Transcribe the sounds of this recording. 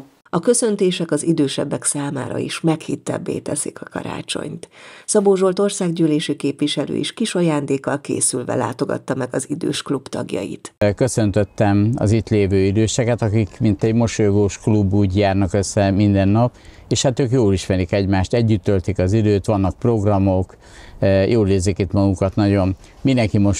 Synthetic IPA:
ɒkø̞sø̞nt̪eːʃɛkɒzid̪øːʃɛ̰bːɛksaːma̰ːɾɒ̰ḭʃmɛkhit̪ːɛ̰bːḛːt̪ɛsikɒkɒ̰ɾa̰ːt͡ʃo̰ɲt̪sɒboːʒo̞lt̪o̞rsaːɡɟyːleːʃikeːpʋiʃɛlø̰ːḭʃkiʃɒjaːnd̪eːkːɒlkḛːsylvɛ̰la̰ːt̪o̞ɡɒ̰t̪ːɒmɛɡɒzid̪ø̰ːʃklubt̪ɒ̰ɡjɒ̰jḭt̪kø̞sø̞nt̪øt̪ːɛmɒ̰zit̪leːvøːid̪øːʃɛkɛt̪ɒkikmint̪ɛɟmo̞ʃojoɡoːʃklubːuːɟjaːrnɒkøsːɛmind̪ɛnːɒp | eːʃhat̪øːkjoːliʃmɛɾikɛɟmaːʃt̪ɛɟːyt̪ːølt̪ikɒzid̪øːt̪ʋɒnːɒk̚pro̞ɡrɒmo̞k | jʔoːleːzeːkit̪mɒɡukɒt̪nɒɟo̞n | minɛŋkimoʃ

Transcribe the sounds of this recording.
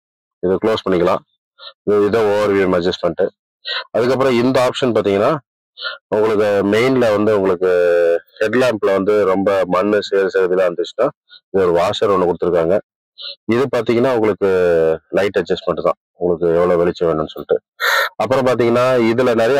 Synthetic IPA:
ɪðɯkɭoːspɐɳːɪkːɐlãː | ɪðoːoːɾʋimɐd͡ʒɐsʈmɐɳʈːɯ | ɐðɯkːɐpːɯɾɔ̃ɪnd̪ɐaːpʂɐnpaːɾt̪iːŋɡɐnːaː | ʊŋɡɐɭɯkːɯmeɪnlɐʋɐnd̪ɯʊŋɡɐɭɯkːɯhɛɖlaːmplɐʋɐnd̪ɯɾɔmbɐmɐnːɯseːɾɯsɐɣɐðɪlaːʋɐnd̪ɯt͡ʃːɯ̥nːaː | ɪðɯɔɾɯʋaːsɐɾɔɳːɯkʊɽɯt̪ːɯɾɯkːaːŋɡɐ | ɪðɯpaːɾt̪iːŋɡɐnːaːʊŋɡɐɭɯkːɯlɐɪʈːɐd͡ʒɐsʈmɐɳʈːɯt̪ã̰ː | ʊŋɡɐɭɯkːɯɛʋːɐɭoːʋɛɭɪt͡ʃːɐʋeːɳɖnːɯsɔlːɪʈːɯ | ɐpːɯɾɔ̃paːɾt̪̬iːŋɡɐnːaːɪðɯlɐnɛɾɐj

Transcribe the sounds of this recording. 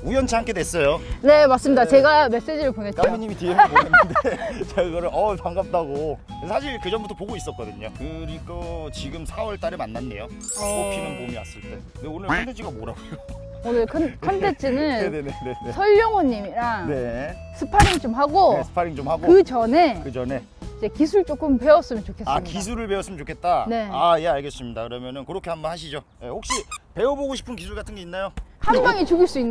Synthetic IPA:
ujʌnt͡ɕʰihamkʰe̞dwes͈ʌjone̞mas͈ɯmɲidat͡ɕe̞ɡame̞s͈e̞d͡ʑiɾɯɭponet͡ɕtaʌoɲːimiteedt͡ɕeɯɡʌɾɯɭʌpaŋɡap̚t͈aɡo | esʰaɕ̬ʰiɭkɯd͡ʑʌmbutʰʌpoɡois͈ʌt̚k͈ʌdɯɲokɯɾikʌt͡ɕiɡɯmsʰawʌɭt͈aɾemanːanːe̞̰jo | opʰinɯnkomia̰s͈ɯɭt͈e̞ | ndeonɯɭkʰʌntʰet͡ɕʰiɡamoɾaɡojo | onɯɭkʰʌnkʰʌntʰet͡ɕʰinɯnnenenenesʰʌʎːoŋʌɲːimiɾaŋne | sʰɯpʰaɾiŋt͡ɕomɦaɡoesʰɯ̥pʰaɾiŋt͡ɕomhaɡkoɯt͡ɕʌne̞kɯd͡ʑʌne̞ | id͡ʑe̞kisʰuɭt͡ɕ͈ok͈ɯmpe̞ʌs͈ɯmjʌnt͡ɕokʰe̞sakis̬ʰuɾɯɭpe̞ʌs͈ɯmjʌt͡ɕokʰet̚t͈ane̞aje̞aɭɡe̞s͈ɯmɲidakɯɾʌmjʌnɯnkɯɾʌkʰe̞ɦanbʌnhaɕ̬ʰid͡ʑo | je̞hok̚ɕ͈ipe̞wʌboɡoɕ̬ʰi̥pʰɯnkisʰuɭɡatʰɯnɡe̞inːajokʰambaŋit͡ɕuɡiɭs͈uinː

